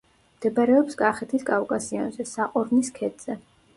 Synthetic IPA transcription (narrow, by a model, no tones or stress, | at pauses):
md̪̥ɛbɾɛɔpsɡʼaχɛt̪ʰiskʼavkʼasia̰nzɛsaqʼɔɾvniskʰɛd̪ʼz̥ɛ